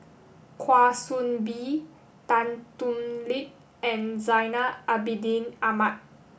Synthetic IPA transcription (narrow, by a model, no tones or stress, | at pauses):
kʰwaːsunbi | t̪ant̪umlit̚ | ʔɛ̃nzajnaabidinamat̪̚